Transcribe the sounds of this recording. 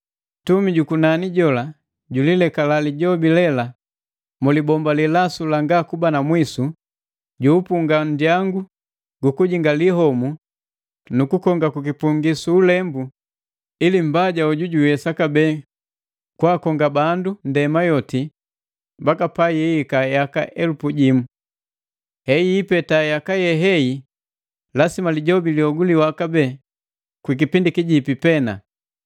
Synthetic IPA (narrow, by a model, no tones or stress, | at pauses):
tumiɟukunaniɟɔla | ɟulilɛkalaliɟɔbilɛla | mulibɔmbalilasulaŋɡakubanamwisu | ɟuːpuŋɡandjaŋɡu | ɡukuɟiŋɡaliɦɔmu | nukukɔŋɡakukipuŋɡisuːlɛmbu | ilim̩baɟauɟuɟuɛsakabɛː | kwaːkɔŋɡabandundɛmajɔti | bakapajɛikajakaʔɛlupuɟimu | hɛiːpɛtajakajɛɦɛji | lasimaliɟɔbiliɔɡuliwakabɛ | kwik̬ipindikiɟipipɛna̰